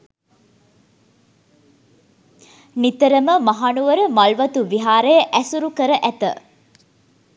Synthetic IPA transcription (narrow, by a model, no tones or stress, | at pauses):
nit̪əɾəməmɐɦanuʋəɾəmɐlʋɐt̪uʋiɦaːɾəjəʔæsuɾukəɾəʔæt̪ə